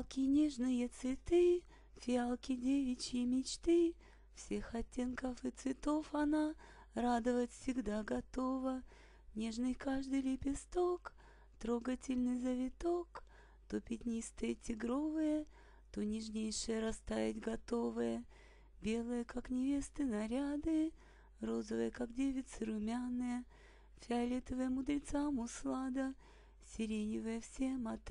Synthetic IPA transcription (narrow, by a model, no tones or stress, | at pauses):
lˠkʲɪnʲeʐnɨjət̪svʲɪt̪ɨ | fʲɪalˠkʲɪdʲevʲɪt͡ɕɪjəmʲɪt͡ɕt̪ɨ | fsʲe̞xɐtʲːe̞nkəfɨt̪svʲɪt̪o̞fɐna | rad̪əvət̪fʲsʲɪɡd̪aɡɐt̪o̞və | nʲe̞ʐnɨjkaʐd̪ɨjlʲɪpʲɪst̪ok | t̪ɾoɡətʲɪlʲnɨjzəvʲɪt̪ok | t̪opʲɪt̪ʲnʲist̪ɨjətʲɪɡɾo̞vɨjə | t̪onʲɪʐnʲejʂɨjəɾɐst̪avʲɪtʲɡɐt̪o̞vɨjə | bʲe̞lˠɨjəkaknʲɪvʲe̞st̪ɨnɐɾʲad̪ɨ | ro̞zəvɨjəkakdʲevʲɪt̪sɨɾʊmʲanːɨjə | fʲɐlʲet̪əvɨjəmʊd̪ɾʲɪt̪samʊslˠad̪ə | sʲɪɾʲenʲɪvəjəfsʲemɐt̪